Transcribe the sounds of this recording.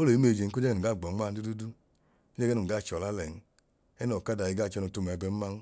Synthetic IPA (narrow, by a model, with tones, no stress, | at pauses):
o˦lo˨i˦me˧˨d͡ʒe˨n̩˦ko˦d͡ʒɛ˦ɛ˦˨ɡa˦˨ɡ͡bɔ˨˦a˦˨n̩˦du˦du˦du˦ | o˦d͡ʒɛ˦ɡɛ˦nu˨ɡa˦˨t͡ʃɔ˨la˦lɛ˨n̩˦ | ɛ˦nɔ˨ka˦da˨ji˧ɡa˦˨t͡ʃɔ˧˦nu˨tu˦˨m˨ɛ˨bɛ˨m̩˦ma˦n˦